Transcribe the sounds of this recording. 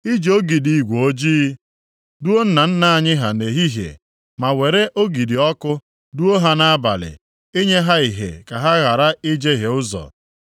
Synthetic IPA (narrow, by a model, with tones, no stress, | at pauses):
i˦d͡ʒo˦ɡi˨di˨ɡʷo˨o˦d͡ʒiː˦ | du˦o˦n̩˦na˨n̩˦na˦a˦˨ɲɪ˦ɦa˨ne˨ɦi˦ɦjḛ˨ | ma˨we˨ɾe˦ʔo˦ɡi˨di˨ɔ˦kʊ˦ | du˦o˦ɦa˨na˦a˦ba̰˨lɪ̰˨ | i˦ɲe˦ɦa˦i˨ɦḛ˨ka˨ɦa˦ɣa˨ɾa˦i˦d͡ʒe˦ɦe˨ʊ˦zɔ̰˨